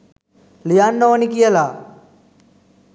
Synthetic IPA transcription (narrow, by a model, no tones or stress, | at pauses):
lijaːnːoʋɐnikijɐlaː